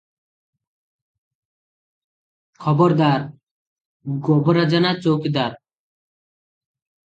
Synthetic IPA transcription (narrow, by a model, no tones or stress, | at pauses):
kʰɔbɔɾd̪aɾ | ɡɔbɔɾad͡ʑanat͡sowked̪aɾ